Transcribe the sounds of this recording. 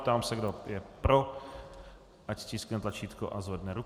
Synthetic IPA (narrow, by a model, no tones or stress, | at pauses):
pt̪aːmsɛɡdojɛpɾo | ʔacscisknɛt̪lat͡ʃiːt̪ko̰ʔazvɛdnɛɾu